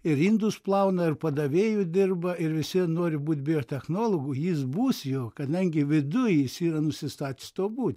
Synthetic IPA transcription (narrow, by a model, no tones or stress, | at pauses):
ɪɾiːnd̪usplˠɐʊnɐɪrpɐd̪ɐʋʲeːjuːd̪ʲɪrbɐɪɾʋʲɪsʲɪnoːɾʲɪbuːt̪ʲbʲɪoːt̪ʲɛxnoːlˠoːɡʊjɪsbuːsjoːkɐd̪ɐŋʲɡʲɪʋʲɪd̪ʊjɪsiːɾɐnʊsʲɪst̪ɑːt̪ʲɪ̥st̪oːbuːt̪ʲ